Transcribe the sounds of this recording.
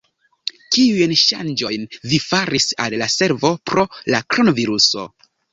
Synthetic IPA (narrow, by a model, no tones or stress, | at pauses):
kiujnʃa̰nd͡ʒo̞jnvifaɾisa̰llase̞ɾvo̞pɾo̞lakɾo̞noviɾuso̞̰